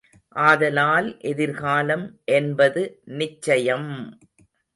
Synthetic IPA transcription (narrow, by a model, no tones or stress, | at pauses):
ʔaːðɐlaːlʔɛðɪɾɣaːlɐmʔɛnbɐðɯnɪt͡ʃːɐjɐm